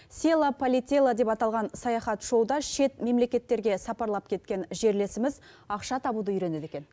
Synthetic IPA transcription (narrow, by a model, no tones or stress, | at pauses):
sʲelˠapʰolʲit̪ʲelˠad̪e̞pɑt̪ɑlˠʁɑnsɑjɑχɑt̪ʒ̥o̞wd̪ɑʃe̞t̪me̞mle̞kʲe̞t̪ːe̞ɾɡʲe̞sɑpɑɾlˠɑp̚kʲʰe̞t̪̚kʲe̞nʒe̞ɾle̞sɪmɪz | ɑqʃɑt̪ʰɑbud̪əʏɾe̞ne̞d̪e̞kʲe̞n